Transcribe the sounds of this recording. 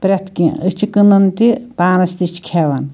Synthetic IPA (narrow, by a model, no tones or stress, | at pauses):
pɾʲɐt̪ʰkḭ̃ɨt͡ʃʰikɨnɐnt̪ipaːnɐst̪it͡ʃʰkʰeʋɐn